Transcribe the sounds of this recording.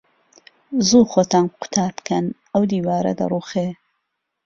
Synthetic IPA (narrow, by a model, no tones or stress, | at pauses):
zuːxoːt̪aːnqʰʊ̥t̪ʰaːɾpkʰɐn | ɐwd̪iːwaːɾɐ̰d̪ɐ̰rˤuːxe